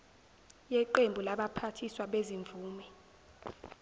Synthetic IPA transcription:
jɛǃembʱulaɓapʰatʰiswaɓeziɱvuːmɛ

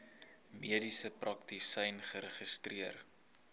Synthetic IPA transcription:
miədisəprɐktisɛjnχəɾəχistriər

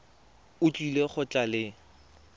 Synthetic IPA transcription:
ʊt͡ɬʼileχʊt͡ɬʼalɪ

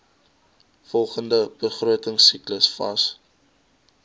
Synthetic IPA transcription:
fɔlˠχəndəb̥əχruətəŋsikləsfɐ̰s

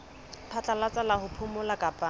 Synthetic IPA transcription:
pʰat͡ɬʼalat͡sʼalahʊpʰʊmʊlakʼapʼa

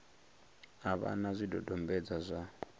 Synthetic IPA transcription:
aβa̰nazʷidɔdʱɔmbɛd͡zazʷa

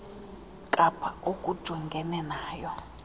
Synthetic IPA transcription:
kʼapʰaokʼud̥ʒ̥ʱwɛŋɡʱɛnɛnaːjɔ

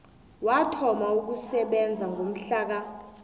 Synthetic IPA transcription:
watʰɔmauk̬usɛɓɛnd͡zʱaŋɡʱom̩ɬaːk̬a

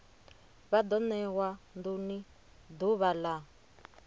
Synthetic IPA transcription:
βad̪ɔnɛwanduni | d̪uβala

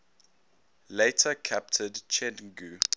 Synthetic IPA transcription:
leɪtʰəkʰæp̚tʰədt͡ʃʰɛ̃nɡu

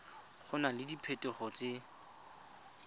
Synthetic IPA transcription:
χʊnalɪdipʰetʼɛχɔt͡sɪ

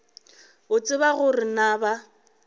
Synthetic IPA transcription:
ʊt͡sʼɪβaɣʊrɪnaba

